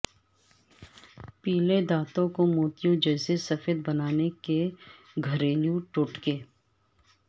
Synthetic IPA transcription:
piːled̪aːt̪õkomuːt̪ijõd͡ʒɐːsesɐfeːd̪̚bɐnaːneke | ɡʱɐɾeːljũʈʊʈkeː

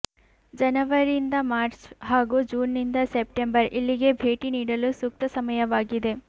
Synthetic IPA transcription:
d͡ʒɐnɐʋɐɾind̪ɐmaːɾt͡ʃɦaːɡuːd͡ʒuːnːind̪ɐsep̚ʈembɐɾʔilːiɡe̞bʱe̞ːʈiniːɽɐlusuk̚t̪ɐsɐmɐjɐʋaːɡid̪e̞

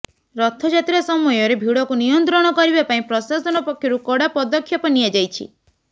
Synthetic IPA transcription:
ɾɔt̪ʰɔd͡ʒat̪iɾɔsɔmɔjɔɾebʱiɽɔkunijɔnt̪ɾɔɽ̃ɔkɔɾibapaĩpɾɔsasɔnɔpɔkʰːjɔɾukɔɽapɔd̪ɔkʰjɔpɔnijad͡ʒajt͡ʃʰḭ

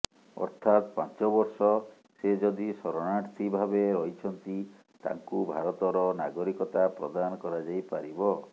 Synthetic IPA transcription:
ɔ̰ɾt̪ʰat̪pa̰nt͡ʃɔbɔɾsɔ | sed͡ʒɔd̪isɔɾɔnaʈt̪ibʱabeɾɔɦit͡ʃʰɔnt̪i | t̪a̰ŋkubʱaɾɔt̪ɔɾɔnaɡɔɾikɔt̪apɾɔ̰d̪anɔkɔɾad͡ʒajpaɾibɔ

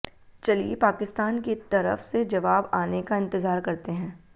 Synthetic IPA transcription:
t͡ʃɐliepaːkɪst̪aːnkit̪ɐɾə̰fsed͡ʒɐʋaːbaːnekaɪ̃nt̪ɪzaːɾkɐɾt̪eɦɛ̃ː

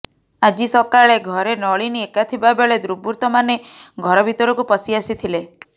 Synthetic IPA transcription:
ad͡ʒisɔkaɭeɡʱɔɾenɔɭiniekat̪ʰibabeɭed̪ɾubuɾt̪ɔmaneɡʱɔɾɔbʱit̪ɔɾɔkupɔsiasit̪ʰile

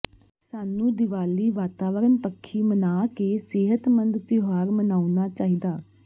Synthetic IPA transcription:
saːnũːd̪ɪʋaːliːʋaːt̪aːʋəɾənpəkʰːiːmənaːkeːsɪɦət̪mə̃nd̪t̪ɪɦaːɾmənaːunaːt͡ʃaːɦiːd̪aː

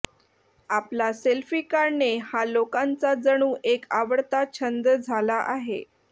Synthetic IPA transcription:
aplaselfiːkaɾnehalokant͡sad͡zəɽ̃uːʔekaʋəɽt̪at͡ɕʰənd̪əd͡zʱalaʔaɦḛ

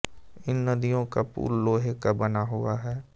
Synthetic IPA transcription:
ɪnːɐd̪ijõkapṵːlːoːɦekabɐnaɦʊaɦɛː

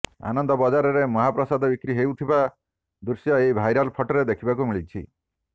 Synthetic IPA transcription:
a̰nɔnd̪ɔbɔd͡ʒaɾɔɾemɔɦapɾɔsad̪ɔbikɾiɦewt̪ʰiba | d̪uɾsjɔejbʱajɾalpʰɔʈɔɾed̪ekʰibakumiɭit͡ʃʰḭ

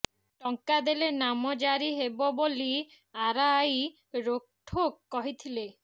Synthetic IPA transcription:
ʈɔŋkad̪elenamɔd͡ʒaɾiɦebɔboli | aɾaːj | ɾok̚ʈʰokːɔɦit̪ʰile

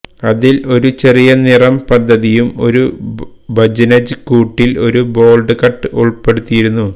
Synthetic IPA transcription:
ɐðilo̞ɾut͡ɕe̞rijɐnirɐmpɐd̪ːɐðijumo̞̰ɾu | bɐd͡ʑɐnɐd͡ʑɨkuːʈːilo̞ɾubo̞ːlɖɨkɐʈːɨuɭpːe̞ɽut̪ːijiɾunːu

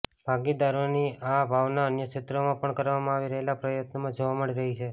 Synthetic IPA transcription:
b̥ʱaɡid̪aɾoniabʱaʋnaənjət͡ʃɪt̪ɾəmãpəɳkəɾʋamãaʋiɾəɦelapɾəjət̪nəmãd͡ʒoʋaməɽiɾəɦit͡ʃʰe

